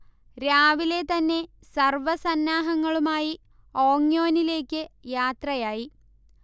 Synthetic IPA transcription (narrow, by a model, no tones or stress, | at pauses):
ɾaːʋile̞t̪ɐnːe̞ | sɐrʋɐsɐnːaːɦɐŋːɐɭumaːji | o̞ːŋjo̞ːnile̞ːkʲːɨjaːt̪rɐjaːji